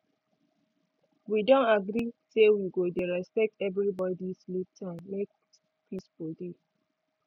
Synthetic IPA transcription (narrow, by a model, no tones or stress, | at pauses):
widɔ̃ntaɡɾisewiɡodeɹɛspɛk̚tɛvɹibɔdislivtʰãɪ̃mːek̚ | pʰisfɔde